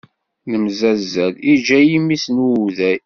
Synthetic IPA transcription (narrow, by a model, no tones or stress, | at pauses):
nəmzæzælid͡ʒæjimːisnuðæj